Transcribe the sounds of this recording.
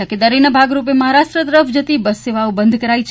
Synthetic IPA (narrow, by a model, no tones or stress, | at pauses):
əked̪aɾinəbʱaɡɾupeməɦaɾaʃʈɾət̪əɾəfʰd͡ʒət̪ibəsːeʋaobənd̪ʱkəɾait͡ʃʰ